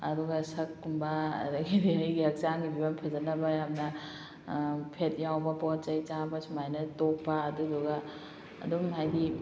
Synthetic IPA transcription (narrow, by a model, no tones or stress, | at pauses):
ɐ̰duɡasɐkːumbɐ̰ːdɐɡidiɐjɡiɐk̚t͡ʃaŋɡibibampʰɐzɐnɐbɐjap̚nɐ | pʰet̚jawbɐpɔt͡ʃɐjt͡ʃabɐsumajnɐtok̚pɐːduduɡa | ɐ̰dumɦajdi